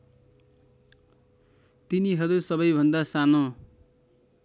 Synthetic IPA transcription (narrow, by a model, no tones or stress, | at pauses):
t̪iniɦʌɾusʌbʌjbʱʌnd̪asano